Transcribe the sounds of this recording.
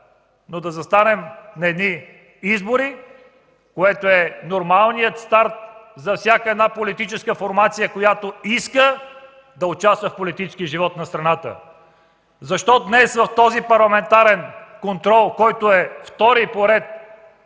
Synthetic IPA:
nod̪ɐzɐst̪anɛmnɐɛd̪ni | izboɾi | koɛt̪oɛnoɾmalˠnijət̪st̪aɾt̪̚zɐfsʲjakəɛd̪napolit̪it͡ʃɛskəfoɾmat̪sijəkojat̪oiskə | d̪ɐot͡ʃast̪vəfpolit̪it͡ʃskʲiəʒivɔt̪nɐst̪ɾɐnat̪ə̰ | zɐʃt̪ɔd̪nɛsvɐft̪ɔzipɐɾlˠɐmɛnt̪aɾɛnkont̪ɾɔlˠkɔjt̪oɛft̪ɔɾipoɾɛt̪̚

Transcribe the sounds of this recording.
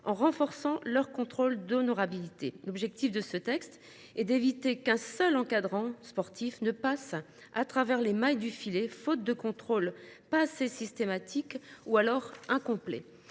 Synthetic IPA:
ɑ̃ʁɑ̃fɔʁsɑ̃lœʁkɔ̃t̪χold̪onɔʁabilit̪elɔbʒɛk̚t̪ifd̪əsət̪ɛkst̪ | ɛd̪evit̪ekɛ̃sœlɑ̃kad̪ʁɑ̃spɔʁt̪ʰifnəpas | at̪χavɛʁlemajd̪yfilefot̪̚d̪əkɔ̃t̪χolpasesist̪emat̪ʰikualɔʁɛ̃kɔ̃plɛ̰

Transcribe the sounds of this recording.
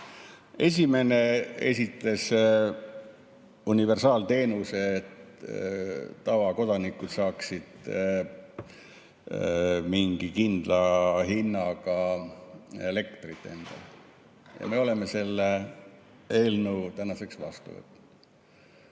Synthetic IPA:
e̞s̬ʲime̞ne̞e̞̰sʲit̪le̞s | unive̞rsɑːlt̪e̞ːnuset̪ | ɑvɑko̞d̪ɑnikːud̪̥sɑːksid̪̥ | miŋɡ̥ikind̪̥lɑɦinːɑkɑ | ele̞kt̪rit̪ːˑend̪̥ɑ̰ | jɑ̰me̞o̞le̞mːe̞se̞lːe | e̞ːlnut̪ænɑse̞ksvɑ̰st̪ṵvə̰t̪ːˑud̪̥

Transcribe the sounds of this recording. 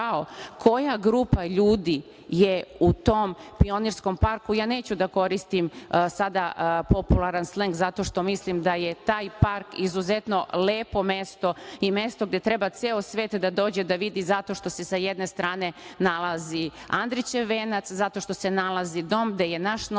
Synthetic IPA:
aokʰo̞jaɡɾupaʎuːd̪i | jeut̪oːmpio̞niɾsko̞mpaɾkujaːne̞ːt͡ɕud̪ako̞ɾist̪imsad̪apo̞pulˠaɾansleŋɡzat̪o̞ʃt̪o̞mislimd̪aje̞t̪aːjpaɾkizuze̞t̪no̞leːpo̞me̞st̪o̞ime̞st̪o̞ɡd̪e̞t̪ɾebat̪seːosʋe̞ːt̪d̪ad̪o̞ːd͡ʑe̞d̪aʋid̪izat̪o̞ʃt̪o̞se̞sajed̪ne̞st̪ɾaːne̞nalˠaziand̪ɾit͡ɕeʋeːnat̪szat̪o̞ʃt̪o̞se̞nalazid̪o̞mɡd̪eje̞naʃn

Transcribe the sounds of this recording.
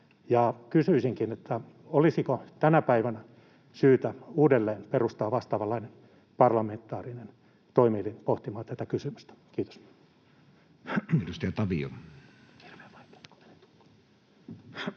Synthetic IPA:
jɑkysyisiŋkinet̪ʰːæ | olisikot̪ænæpæiʋænæ | syːt̪æuːdelːeːnperust̪ɑːʋʋɑst̪ɑːʋɑlːɑinen | pɑrlɑment̪ːˑɑːrinen | t̪oimilinpoht̪imɑːt̪æt̪ækysymyst̪æ̥kiːt̪o̥s | edust̪ɑjɑt̪ɑʋio̰ | irʋemɑit̪æ̥ko̥enet̪

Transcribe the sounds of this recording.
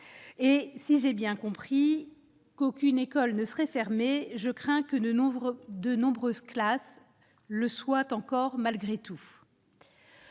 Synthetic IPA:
esiʒebjɛ̃kɔ̃pχi | kokʲynekɔlnəsəʁɛfɛʁmeʒəkχɛ̃kə | d̪ənɔ̃bʁøzklas | ləswat̪ɑ̃kɔʁmalɡʁet̪ʰu

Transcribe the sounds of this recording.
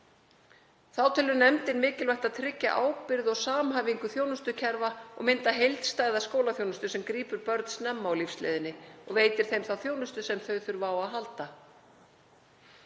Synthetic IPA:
θawt̪ʰɪlʏnɛmt̪ɪnmɪːcɪlvajht̪aðt̪ʰɾɪcːa̰ʔaːwpɪɾðɔɣsaːmɦaviŋkʏθjoːwnʏst̪ʏcʰɛɾvaɔ̰ɣmɪnt̪aɦejlt̪st̪aːjðaskoːwlaθjownʏst̪ʏsɛmkɾiːpʏɾpœɾt̪snɛmːaawlifslɛ̰ːðɪnːɪɔɣveːjt̪ɪɾ̥θejmθawθjownʏst̪ʏsɛmθœɥθʏɾvaːwaðɦalt̪a

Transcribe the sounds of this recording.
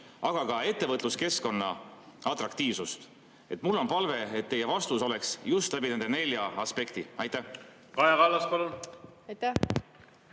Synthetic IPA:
ʔɑɡ̥ɑkɑe̞t̪ːevɤt̪ˑluske̞sko̞nːɑ̰ɑt̪ˑrɑkt̪iːvsust̪ | e̞t̪ːˑmulːo̞npɑlve̞et̪ːe̞je̞vɑst̪uso̞le̞ksjust̪læbine̞nd̪e̞ne̞lʲjɑɑspe̞kt̪iɑjt̪ːæh | kɑjɑkɑlːɑspɑlunɑjt̪æ

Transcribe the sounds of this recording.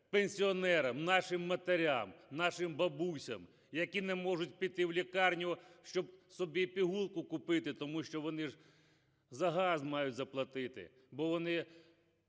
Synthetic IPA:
penʲsʲiɔnɛɾɐmnɑʃɪmːɐt̪eɾʲamnɑʃɪmbɐbusʲɐm | jɐkʲinɛmɔʐʊt̚ʲpʲit̪ɪwlʲikɑrnʲʊʃt͡ʃɔbsɔbʲipʲiɦulˠkʊkʊpɪt̪ɪt̪ɔmuʃt͡ʃɔʋɔnɪʒ | zɐɦɑzmɑjʊtʲzɐplˠɐt̪ɪt̪ɪ̰ | bɔʋɔnɪ

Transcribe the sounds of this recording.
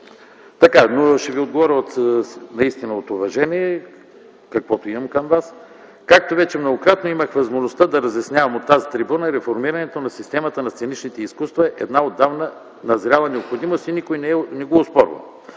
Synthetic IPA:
t̪ɐkanoʃɛviod̪ɡovɔɾʲəot̪nɐist̪inəot̪ovɐʒɛniɛ | kɐkvɔt̪oimɐmkɐmvas | kak̚t̪ovɛt͡ʃɛmnoɡokɾat̪noiməxvɐzmoʒnost̪ad̪ɐɾɐzjɐsnʲjavɐmot̪ːazit̪ɾibunəiɾɛfoɾmiɾɐnɛt̪onɐsist̪ɛmɐt̪ənɐst̪ɛnit͡ʃnit̪ɛiskust̪vɐɛʔɛd̪naod̪ːavnə | nɐzɾʲalˠɐnɛopxod̪imost̪inikojnɛnɛɡoːspɔɾvɐ̰

